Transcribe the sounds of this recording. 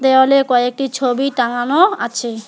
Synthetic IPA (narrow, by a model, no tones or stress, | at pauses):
t̪eolekɔek̚ʈit͡ɕʰobitaŋanoat͡ɕʰe